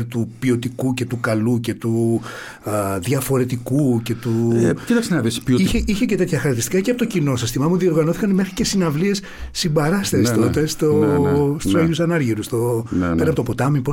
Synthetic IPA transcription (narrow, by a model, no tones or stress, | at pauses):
ɾt̪upio̞t̪ikuce̞t̪ukɐluce̞t̪u | ðʝɐfo̞ɾe̞t̪ikuce̞t̪ucit̪ɐksenɐvisioiçeiçece̞t̪e̞t̪çɐxɐɾɐk̚t̪isi̥kɐceɐpot̪ocino̞sist̪imɐmuðio̞ɾɣɐnoθi̥kɐnmexɾice̞sinɐvlie̞s | sibɐɾɐst̪eest̪ot̪est̪ost̪usoʝusɐnɐɾʝiɾust̪oeɾɐpot̪opot̪ɐmipo